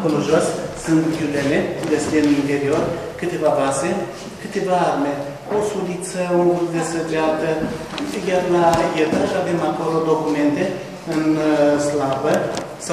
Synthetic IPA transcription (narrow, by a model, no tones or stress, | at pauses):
ko̞loʒo̞ssɨnt̪viuleleuɡest̪eninfe̞ɾio̞rkɨt̪e̞vavase̞ | kɨt̪e̞vaarme̞ | osulit̪səuɡ̪ud̪e̞səd͡ʒeat̪ə | jarlajet̪əʃave̞mako̞lo̞d̪o̞kume̞nt̪e̞ | ɨnslabə | sa